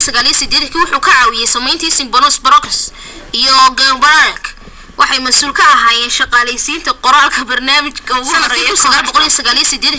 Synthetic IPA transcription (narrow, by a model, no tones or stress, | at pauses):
sɐɣaːlijɐsɪd̪ɛːd̪kʰiwʊħuːkʰɐʕɑːwɪjɛjsɐmɛjnt̪ʰɐsɪŋ̚bɔnsbɾɔkʰs | ijɔɡambakʰ | wʔɑħɑjmɐsuːlkʰɐɐɦaːjɛːnʃɑqɑːlɛjsiːnt̪ʰɐqɔɾaːlkʰɐbɐrnaːmɪt͡ʃkʰɐʊɾɐiʊsɐɣaːlbɔqɔlijɐsɐɣaːlijɐsid̪ɛːd̪